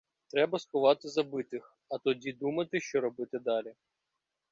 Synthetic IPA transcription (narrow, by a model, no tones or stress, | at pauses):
t̪ɾɛbɐskʊʋɑt̪ɪzɐbɪt̪ɪx | ɐt̪ɔdʲid̪umɐt̪ɪʃt͡ʃɔɾɔbɪt̪ɪd̪ɑlʲi